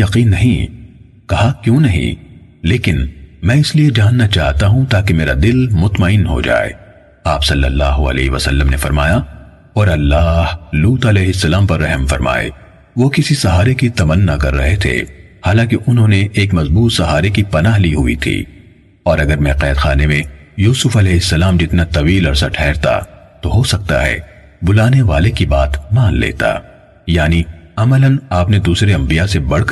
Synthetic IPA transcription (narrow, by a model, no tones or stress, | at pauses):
jɐqiːnːɐɦĩ | kɐɦakjũːnɐɦḭ̃ | leːkɪnmɛ̃ːɪslied͡ʒaːnːat͡ʃaːɦt̪aɦũt̪aːkemeːɾa̰d̪ɪlmʊt̪mɐɪnɦo̰d͡ʒa̰ːḛː | aːpsɐlːə̰lːaːɦoɐ̰lɛ̰ːɦʋɐ̰sɐ̰lːəmnefɐɾma̰ːja | ɔːɾɐlːaːhluːt̪ɐlɛːɦɪsːɐlaːmpɐɾːɛɦmfɐ̰ɾma̰ːḛ | ʋokɪsisɐɦaːɾekit̪ɐmənːakɐ̰ɾːɐ̰ɦet̪ʰḛ | haːlãːkeʔʊnɦõːneʔeːkmɐzbuːt̪sɐɦaːɾekipɐnaːɦliɦʊḭt̪ʰḭː | ɔːɾɐɡəɾmɛ̃ːqɛːd̪xa̰ːnemẽjuːsʊfɐlɛːɦɪsːɐlaːmd͡ʒɪt̪nat̪ɐʋiːlɐɾsaʈʰɛːɾt̪a̰t̪oɦosɐk̚t̪a̰ɦɛ̰ː | bʊlaːneʋaːlekibaːt̪maːnlḛːt̪a̰ː | jaːniɐmələnaːpned̪uːsɾeɐ̃mbijasebɐɽk